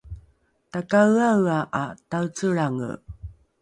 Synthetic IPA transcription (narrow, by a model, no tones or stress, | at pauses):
takawawaʔatawt͡səɭaŋə̰